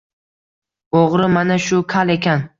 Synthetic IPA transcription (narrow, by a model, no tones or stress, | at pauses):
oʁɾɪmanaʃʊkʰalˠe̞kʲʰan